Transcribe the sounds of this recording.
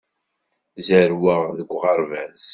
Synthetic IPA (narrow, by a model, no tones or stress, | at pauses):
zəɾwəʁðəɡʷːʁɑɾˤvæz